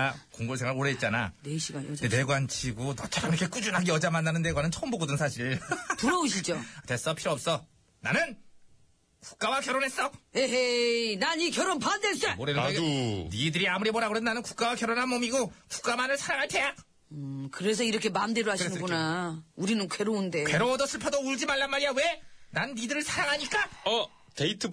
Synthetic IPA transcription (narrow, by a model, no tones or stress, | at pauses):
akoŋɡoɭs̬ʰeŋwaɾoɾeːt̚t͡ɕ͈ana̰neɕʰiɡadene̞ɡwant͡ɕʰiɡonʌt͡ɕʰaɾamiɾʌkʰe̞k͈ud͡ʑunɦaɡiʌd͡ʑamanːanɯndeɡwanɯnt͡ɕʰʌmboɡodɯnsʰaɕʰiɾtuɾʌuɕʰid͡ʑotwe̞s͈ʌpʰiɾoʌp̚s͈ʌ | nanɯn | ku̥k̚k͈awakjʌɾonɦe̞s͈ʌjeɦenanikjʌɾonpandes͈emoɾennidɯɾiamɯɾimʌɾaɣɯɾenanɯnku̥k͈̚awakjʌɾonɦanmomiɡoku̥k͈amanɯɭsʰaɾaŋɦaɭtʰe̞ja | kɯɾe̞s̬ʰʌiɾʌkʰe̞mandeɾoɦaɕinɯɡonauɾinɯnkwe̞ɾounde̞kweɾowʌdʌsʰɯɭpʰʌdouɭd͡ʑimaɭːanmːaɾiawe̞nanːidɯɾɯɭsʰaɾaŋɦaɲik͈aʌ | teitʰ